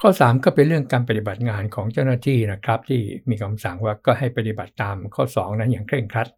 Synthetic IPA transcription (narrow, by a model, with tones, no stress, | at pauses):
kʰɔː˥˩saː˩˦mkɔː˥˩pe˧nɾɯ˥˩əŋkaː˧np̬a˧t̪i˨˩ba˨˩t̪̚ŋaː˧nkʰɔː˩˦ŋt͡ɕa˥˩wnaː˥˩t̪ʰiː˥˩na˦˥kʰɾa˦˥p̚t̪ʰiː˥˩miː˧kʰa˧msa˨˩˦ŋwaː˧˩kɔː˥˩ha˥˩jpa˧t̪i˨˩ba˨˩t̪ːaː˧mkʰɔː˥˩sɔː˩˦ŋna˦˥jaː˨˩ŋkʰɾe˥˩ŋkʰɾa˦˥t̪̚